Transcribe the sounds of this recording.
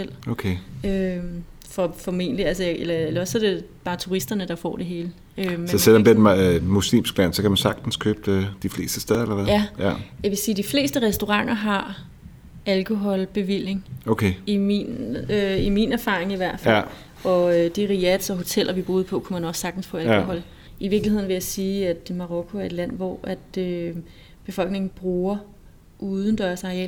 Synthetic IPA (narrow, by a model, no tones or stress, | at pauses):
el̰okʰeøm | fɒfɒme̝̰ːn̰liælsəjelɐelɒ̽sːɒɾ̥e̝b̥ɑ̈ːt͡sʰuʁisd̥ɐnəd̥ɑ̈fɒ̰ːd̥e̝ɦe̝ːlə | ømsɒselːɒmb̥iɐmmuslḭːmsɡ̥læn̰sɒ̽kʰæmænsɑ̈ɡ̥̚d̥n̩skʰøːb̥̚d̥ifle̝̰ːsd̥əsd̥eðˠɐlɐʋɛðæjæjɑʋe̝siːd̥ifle̝̰ːsd̥əʁɛsd̥o̝ʁɑ̈ŋ̰ɐɦɑ̈ | ælkʰo̝ɦɒ̽lb̥e̝ʋil̰je̝ŋokʰeiminøiminæɐfɑ̰̈ːʁeŋiʋæɐ̰d̥fæ | ɒ̽ød̥iʁiæd̥sɒ̽ɦo̝t͡sʰel̰ɐʋib̥ʁuːð̞ˠpʰɒ̽kʰumænɒ̥̽sːɑ̈ɡ̥d̥n̩sfʰɒ̽ælko̝ɦɒ̽l̰ | iʋiɐɡ̥lihe̝ð̰ˠnʋejɑsiːæd̥mɑ̈ʁɔ̽kʰo̝æɐe̝d̥læn̰ʋɒ̰ʔæd̥ø | b̥e̝fɒ̽l̰ɡ̥ne̝ŋn̩b̥ʁuːɐ | ʔuːð̞ˠn̩d̥ɶɐsɑ̈ʁeɛ̰l